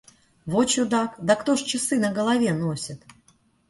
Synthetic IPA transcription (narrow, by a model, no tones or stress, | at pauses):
vot͡ɕʊd̪akd̪əkt̪oʂt͡ɕɪsɨnəɡəlˠavʲenosʲət̪